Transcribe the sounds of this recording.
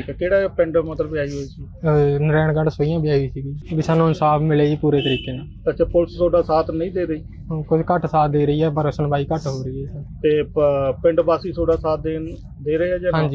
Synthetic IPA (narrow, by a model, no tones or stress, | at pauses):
kɛkeːɽaːpɪɳɖmət̪ləbjaːiːɦoːiːsinɾɛːɳɡəɳsoːijãːbɪjaːiiːsiːɡiːbiːsaːnːũːɪnsaːbmɪleːiːpuːɾeːt̪əɾiːkeːnẽːt̪ət͡ʃepʊlst̪ʰoːɖaːsaːt̪ʰnəĩːd̪eːɾəiː | kʊt͡ʃʰkəʈsaːt̪̚d̪eːɾəiːɛːpəɾʊsənbaːiːkəʈɦoːɾəiɛːsət̪eːpɪɳɖbaːsiːt̪ʰoːɖaːsaːt̪̚d̪eːn | d̪eːɾəeːɛːd͡ʒeːɦãːɲd͡ʒiː